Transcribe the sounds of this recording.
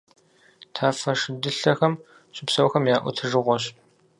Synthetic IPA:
tʰaːfɐʂɪdɨɬɐxɐm | ɕʼʊpsɐwxɐmjaːʔʷʊ̰tʰɨʐɨʁʷɔɕ

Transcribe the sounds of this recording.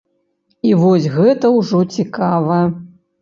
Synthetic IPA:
ivɔsʲɣɛt̪ɐwʐɔt͡sʲikavɐj

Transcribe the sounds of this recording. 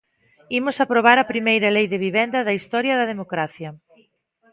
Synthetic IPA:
imʊsapɾoβ̞aɾɐpɾimejɾɐlejðeβiβɛnd̪ɐðɐist̪ɔɾjɐðɐðemokɾaθjɐ

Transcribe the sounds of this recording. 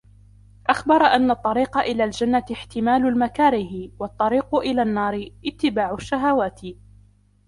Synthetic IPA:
ʔaxbɑɾˤʔanːat̪ˤːɑɾiːqɑʔɪlaːld͡ʒanːat̪ɪħt̪ɪmaːlʊlmakaːɾɪhɪwɑt̪ˤːɑɾiːqʊʔɪlaːnːɑːɾɪʔɪt̪ːɪbaːʕʊʃːaɦawaːt̪ɪ

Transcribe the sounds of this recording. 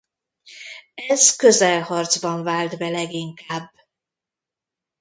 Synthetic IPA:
ɛzkøzɛlhɒrd̪zbɒɱvaːld̪bɛlɛɡiŋkaːbː

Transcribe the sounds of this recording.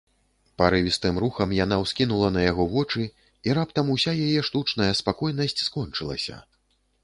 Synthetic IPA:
paɾɨvʲist̪ɨmɾuxɐmjan̪awskʲinulˠɐnɐjaɣɔvɔt͡ʂɨ | iɾapt̪ɐmusʲajajɛʂt̪ut͡ʂn̪ɐjɐspakɔjn̪ɐsʲt͡sʲskɔnt͡ʂɨlˠɐ̰sʲɐ̰

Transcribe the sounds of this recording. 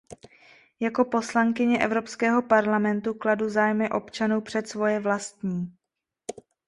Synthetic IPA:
jako̞po̞slaŋkɪɲɛʔɛ̰vɾo̞pskɛːɦo̞paɾlamɛnt̪ukladuzaːjmɪʔo̞pt͡ʃanuwpr̝̥ɛt̪svo̞jɛvlast̪ɲiː

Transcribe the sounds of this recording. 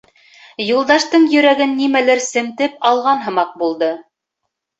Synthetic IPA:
julˠd̪ɑʃt̪ɤɴjɵ̆ɾæɡɘnːimælɘɾsɘ̆mt̪ɘpɑlˠʁɑnɦɤ̆mɑq̚bulˠd̪ɤ

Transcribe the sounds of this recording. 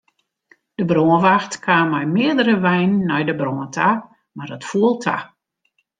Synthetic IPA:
d̥əbroənʋaxtkʰaːmɛjmɪədəɾəʋɛjnːɛjdəbroəntʰa | mardɔtfuəlˠtʰa̰

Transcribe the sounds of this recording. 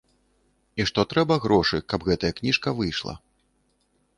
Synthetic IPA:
iʂt̪ɔt̪ɾɛbɐɣɾɔʂɨkɐbɣɛt̪ɐjɐknʲiʂkɐvɨjʂlˠɐ̰

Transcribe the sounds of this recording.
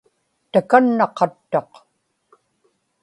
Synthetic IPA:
t̪akanːɑqɑt̪ːoq

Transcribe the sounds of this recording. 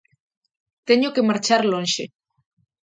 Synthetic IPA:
t̪eɲokemaɾt͡ʃaɾlonʃe

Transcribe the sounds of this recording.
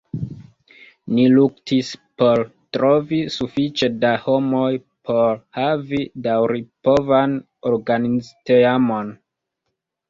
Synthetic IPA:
niluktʰispo̞ɾtɾo̞visufit͡ʃe̞daho̞mo̞j | pʰo̞ɾhavidawɾipo̞van | o̞ɾɡanizteamo̞n

